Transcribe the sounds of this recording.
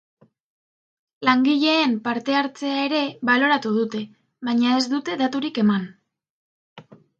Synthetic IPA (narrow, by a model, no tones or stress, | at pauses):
laŋɡiʎe̞empaɾt̪e̞aɾt͡se̞ae̞ɾe̞βalo̞ɾat̪uð̞ut̪e̞ | βajɲae̞zd̪ut̪e̞ðat̪uɾike̞man